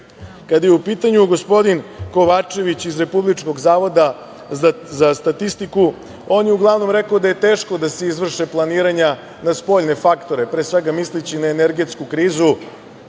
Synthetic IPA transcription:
kad̪ajeupiːt̪aɲuɡo̞spo̞d̪inko̞ʋat͡ʂe̞ʋit͡ɕizɾe̞publit͡ʂko̞ɡzaːʋo̞d̪a | zast̪at̪ist̪iku | o̞ːnjeuɡlˠaʋno̞mɾekaod̪aje̞t̪eːʃko̞d̪aseizʋr̩ʃeplˠaniːɾaɲa | naspo̞ʎne̞fakt̪o̞ɾe̞pɾeːsʋeɡamislit͡ɕinaeneɾɡe̞t̪skukɾiːzu

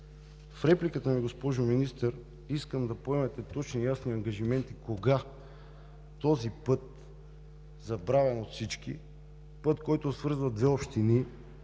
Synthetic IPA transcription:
fɾɛplikət̪əmiɡospɔʒominist̪əɾ | iskəmd̪ɐpoɛmɛt̪ɛt̪ɔt͡ʃnijasniɐŋɡɐʒimɛnt̪ikoɡa | t̪ɔzipɤt̪̚ | zɐbɾavɛnot̪fsit͡ʃk̟ḭ | pɤt̪kɔjt̪osvɤɾzvɐd̪vɛopʃt̪ini

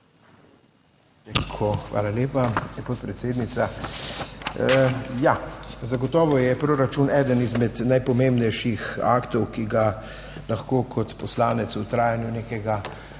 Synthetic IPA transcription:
t̪akʰoxʋa̰ːlaleːpaɛpɔt̪̚pɾɛt̪seːd̪nit̪sa | jazaɡɔt̪ɔːʋɔjɛpɾoːɾat͡ʃunɛːd̪ənizmɛd̪najpɔmembnɛjʃixa̰ːkt̪ɔwkiɡa | laxkoːkʰɔt̪pɔslaːnɛt̪sut̪ɾaːjanjuneːkɛɡa

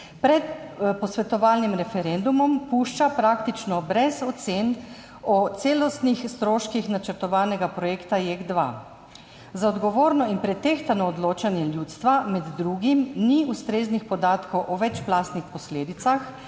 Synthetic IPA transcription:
pɾɛt̪pɔsʋɛt̪ɔʋaːlnimɾɛfɛɾend̪umɔmpuːʃt͡ʃapɾaːkt̪it͡ʃnɔbɾɛzɔt̪sen | ɔt̪seːlɔst̪nixst̪ɾoːʃkixnat͡ʃəɾt̪ɔʋaːnɛɡapɾɔjekt̪ajeɡd̪ʋa̰ | zaɔd̪ɡɔʋoːɾnɔinpɾɛt̪eːxt̪anɔːd̪loːt͡ʃanjɛljuːt̪st̪ʋamɛd̪ːɾuːɡimniust̪ɾeːznixpɔd̪aːt̪kɔwʔɔʋɛt͡ʃplaːst̪nixpɔsleːd̪it̪sax

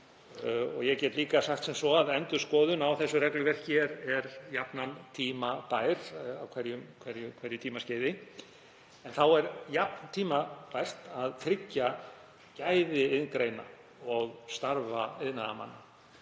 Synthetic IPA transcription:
ɔ̰ɣjɛɣcɛt̪liːkasaxt̪sɛmsɔaðɛnt̪ʏ̥skɔːðʏnawθɛsːʏrɛklʏvɛr̥cçɛɾɛɾjapnant̪ʰiːmapajɾ̥awkʰvɛɾjʏmkʰvɛɾjʏkʰvɛɾjʏt̪ʰiːmasceːjðɪ | ɛnθawɛɾjap̚nt̪ʰiːmapajr̥t̪aðt̪ʰɾɪcːa | cajðɪɪðnkɾejna | ɔɣst̪aɾvaɪðnaðama̰nːa

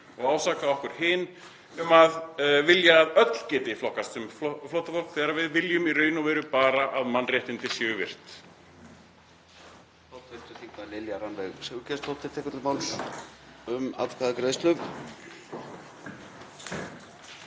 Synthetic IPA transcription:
ɔɣaːwsaːkaɔhkʏɾ̥hɪːn | ʏmaðvɪljaːðœt̪l̥cɛːt̪ɪiflɔhkast̪ʏmflowht̪afɔkθɛːɾaɾvɪðvɪljʏmirœːɥnʊvɛːɾʏpaːɾaʔaðmanːrjɛht̪ɪnt̪ɪ̥sjɛʏvɪr̥t̪ | θawt̪fɪnt̪ʏɾθiŋk̪alɪljaɾanvɛɣsɛcɛst̪owt̪ʰːɪɾ̥t̪ʰɛːkʏɾt̪maːw̪ | ʏma̰t̪kʰvaðakɾeðst̪lʏv

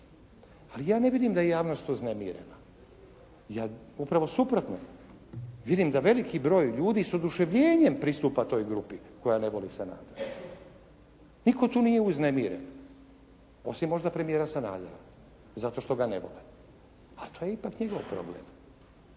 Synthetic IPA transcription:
alijaːneʋid̪imd̪ajejaːʋno̞st̪uznemiːɾḛna | jaːupɾaʋo̞supɾo̞t̪no̰ | ʋid̪imd̪aʋe̞likibɾo̞ːjʎuːd̪iso̞d̪uʃeʋʎe̞ːɲempɾist̪uːpat̪o̞ːjɡɾupiko̞janeʋo̞lisana̰ːd̪oɾa | niko̞t̪uːnijeuzne̞miːɾḛn | o̞simːo̞ʒd̪apɾemijeɾasana̰ːd̪oɾa | zat̪o̞ʃt̪o̞ɡanḛʋo̞̰le | alit̪oːjeipakɲeɡo̞ʋpɾo̰blḛm

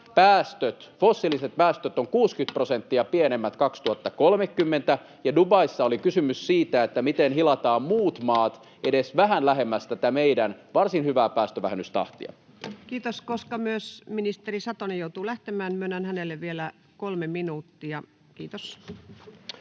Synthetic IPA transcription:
pæːst̪øt̪fosːiliset̪̚pæːst̪øt̪oŋkuːskyt̪̚prosent̪ːiɑpienemːæt̪kɑkst̪uhɑt̪ːɑkolmekːymːent̪æ | jɑdubɑisːɑolikysymyssiːt̪æet̪ːæmit̪enhilɑt̪ɑːmmuːt̪mɑːt̪ | ʔedesʋæɦænlæɦemːæst̪æt̪æmeidænʋɑrsinhyʋæːpæːst̪øʋæ̰henyst̪ɑ̰ht̪ḭɑ̰ | kiːt̪oskoskɑmyøsminist̪erisɑt̪onijout̪uːlæht̪emæːnmyønːænhænelːeʋʋielæ | kolmeminuːt̪ːiɑ | kiːt̪os

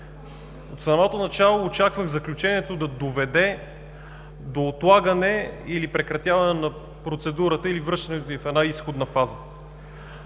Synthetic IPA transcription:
ot̪sɐmɔt̪onɐt͡ʃalˠoːt͡ʃakvəɣzɐklʲut͡ʃɛniɛt̪od̪ɐd̪ovɛd̪ɛ | d̪oːt̪lˠaɡənɛilipɾɛkɾɐt̪javɐnɛnɐ | pɾot̪sɛd̪uɾət̪əilivɾɤʃt̪ɐnɛt̪oifɛd̪aisxod̪nəfazə

